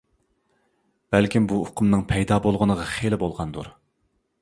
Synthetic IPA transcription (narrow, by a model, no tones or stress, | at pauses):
b̥ælkʲimbuʊqʰʊmnɨŋpʰɛjd̪ɑːbolˠʁənəʁɑχelɪbolˠʁɑnd̪ṵɾ